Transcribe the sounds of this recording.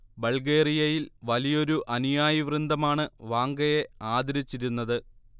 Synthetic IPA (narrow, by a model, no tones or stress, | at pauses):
bɐɭɡe̞ːrijɐjilʋɐlijo̞ɾuʔɐnijaːjiʋrɨnd̪ɐmaːɳɨʋaːŋɡɐje̞aːd̪ɐɾit͡ɕːiɾunːɐðɨ